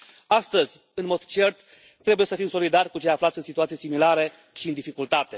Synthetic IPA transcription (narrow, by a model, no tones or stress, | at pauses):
ast̪əzʲ | ɨnmo̞d̪t͡ʃe̞rt̪ | t̪ːɾe̞buje̞səfimso̞lid̪arʲkut͡ʃe̞jaflat̪sʲɨnsit̪uat̪sijesimilaɾe | ʃiɨnd̪ifikult̪at̪e̞